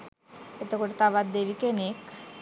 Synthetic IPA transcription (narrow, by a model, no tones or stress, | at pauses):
et̪ekoɾet̪abad̪̚d̪ebikenek